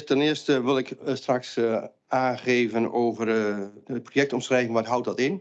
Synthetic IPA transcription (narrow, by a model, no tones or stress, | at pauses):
tɛnɪəstəʋɪlˠɪkstraks | aːχeːvənowvərət̚projɛk̚tɔmsrɛjvənʋɔtɦʌwt̚dɔtɪn